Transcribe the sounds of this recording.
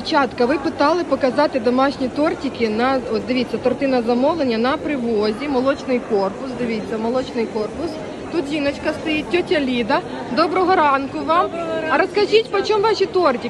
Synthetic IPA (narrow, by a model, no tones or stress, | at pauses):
t͡ʃɑt̪kɐʋɪpɪt̪ɑlˠɪpɔkɐzɑt̪ɪd̪ɔmɑʃnʲit̪ɔrtʲikɪnɐɔt̪̚d̪ɪʋʲit͡sʲːɐt̪ɔrt̪ɪnɐzɐmɔʋlˠenʲːɐnɐpɾɪʋɔzʲimɔlˠɔt͡ʃnɪjkɔrpʊsd̪ɪʋʲit͡sʲːɐmɔlˠɔt͡ʃnɪjkɔrpʊs | t̪ut̪ʋʲinɔt͡ʃkɐst̪ɐjit̚ʲtʲːɔtʲɐlʲid̪ɐ | d̪ɔbɾɔɦɔɾɑnkʊʋɑmɐɾɔskɐʒʲitʲpɔt͡ʃɔmʋɑʃʲit̪ɔrtʲi